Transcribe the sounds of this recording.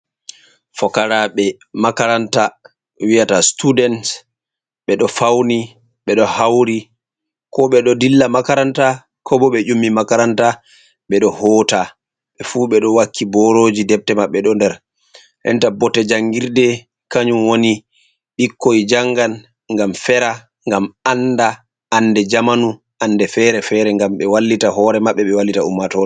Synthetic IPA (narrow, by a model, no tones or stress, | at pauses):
fɔkaɾaɓɛ | makaɾanta | wijatastudɛnt | ɓɛɗɔfawni | ɓɛɗɔhawɾi | kɔɓɛɗɔdilːamakaɾanta | kʰɔbɔɓɛd͡ʒumːimakaɾanta | ɓɛɗɔhɔːta | ɓɛfuːɓɛɗɔwakʰːibɔɾoːd͡ʒidɛp̚tɛmaɓːɛɗɔndɛɾ | ʔɛ̰ntabɔtːɛd͡ʒaŋɡiɾdɛ | kaɲumwoni | ɓikːod͡ʒaŋɡan | ŋɡamfɛɾa | ŋɡamanda | ʔːnːdɛd͡ʒamanu | ʔanːdɛfɛɾɛfɛɾɛŋɡamɓɛwalːitaɦɔːɾɛmaɓːɛɓɛwalːitaumːatɔ